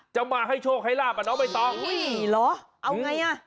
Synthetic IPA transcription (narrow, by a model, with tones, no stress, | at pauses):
t͡ɕa˧wŋ͡mmaː˨˩ɦa˧jt͡ɕʰo˧kxʰa˨˦jlaː˨˩maː˨˩nɔ˨˦ma˨˩jt̪ɔ˧i˨lɔ˨˦ | ʔa˧wŋa˨˧˩jʔaː˧˩